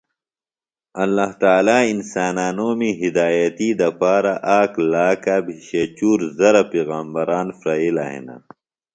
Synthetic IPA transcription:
ɐlːaːht̪aːlaːinsaːnaːnoːmiɦid̪aːjɐt̪iːd̪ɐpaːɾaʔaːklaːkabʱiɕet͡ɕuːɾzɐɾapeːɣaːmbɐɾaːnfɾaila̰ɦḛna̰

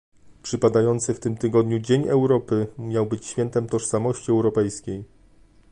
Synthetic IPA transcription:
pʂɘpad̪ajɔnt̪sɘft̪ɘmt̪ɘɡɔd̪ɲud͡ʑeɲɛwɾɔpɘmʲjawbɘt͡ɕɕfʲjɛnt̪ɛmt̪ɔʂsamɔɕt͡ɕiɛwɾɔpɛjskʲej

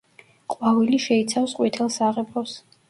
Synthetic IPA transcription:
qʼwaviliʃɛit̪sʰafsqʼwit̪ʰɛlˠsaʁɛbɾɔs

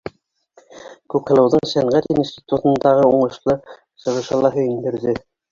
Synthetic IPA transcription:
kʉpχɑ̆lˠɑwðɤɴsæɴʁæt̪inst̪ʲit̪ut̪ɤ̆nd̪ɑʁɤuɴɤ̆ʃlˠɤ | ɕɤ̆ʁɤ̆ʃɑlˠɑɦɵ̆jɘ̆nd̪ɘ̆ɾðɘ

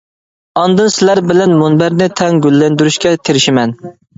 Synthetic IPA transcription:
ɑnd̪ɨnsɪlæɾbɪlɛnmunbæɾnɪt̪ʰɛŋɡʲylːɛnd̪yɾyʃkʲɛt̪ʰeɾɪʃɪmɛn

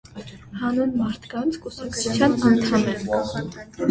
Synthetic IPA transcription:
hɑnunmɑɾt̪ʰkɑnt͡sʰkusɑkʰt͡sʰu̥t͡sʰjɑnɑnt̪ʰɑmɛn

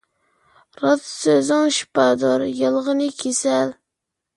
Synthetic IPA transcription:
ɾɑt̪søzɪŋʃpɑd̪oɾjəlˠʁənɨkʲʰesæl

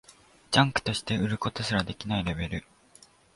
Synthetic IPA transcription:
d͡ʑãŋkɯ̟̥t̪o̞ɕi̥t̪e̞ɯ̟ɾɯ̟ko̞t̪o̞ɕɨɾad̪e̞kʲinaiɾe̞be̞ɾɯ̟

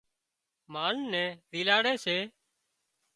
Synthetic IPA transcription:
maːnːɛ̃ːɾiːlaːɽeːseː

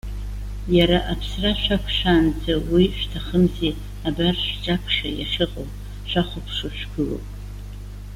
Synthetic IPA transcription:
jaɾaʔapʰsraʃʷᶣakʷʰʂʷᶣaːnd͡zawiʃᶣtʰaχəmzi | abarʃt͡ʃʼakʷʰʂajaʂɨqʼow | ʃʷaχʷʊpʰʂɨʃʷᶣɡɨlo̰wpʼ

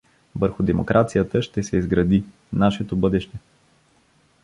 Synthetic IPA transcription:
vəɾxʊd̪ɛmo̰kɾʔat̪sijət̪əʃt̪ɛsɛizɡɾɐd̪i | naʃɛt̪obɤd̪ɛʃt̪ɛ

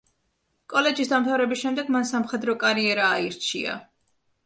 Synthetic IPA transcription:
kʼɔlɛd͡ʒisd̪amt̪ʰavɾɛbisʃɛmd̪ɛɡmansamχɛd̪ɾɔkʼaɾiɛɾaːiɾt͡ʃʰia̰

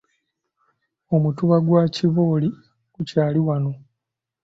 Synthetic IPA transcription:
o̞mutuβaɡwaːciβo̞ːli | kucaːliwano̞

